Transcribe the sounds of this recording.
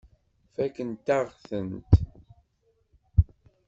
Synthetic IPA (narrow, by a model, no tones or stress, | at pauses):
fækənt̪aʁθənt̪